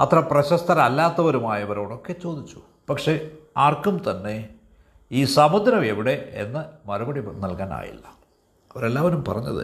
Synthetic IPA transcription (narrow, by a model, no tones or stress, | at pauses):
ɐt̪rɐprɐɕɐst̪ʰɐɾɐɐlːaːt̪ːɐʋɐɾumaːjɐʋɐɾo̞ːɽo̞kːe̞t͡ɕo̞ːd̪it͡ɕːu̥ | pɐkʂe̞aːrkumt̪ɐnːe̞ | iːsɐmɐd̪ʱɐɾɐmeʋiɽe̞enːɨmɐɾubɐɽinɐlkaːna̰ːjḭlːɐ | ɐʋɐɾe̞lːaːʋɐɾumpɐ̰rɐɲːɐ̰ðɨ̰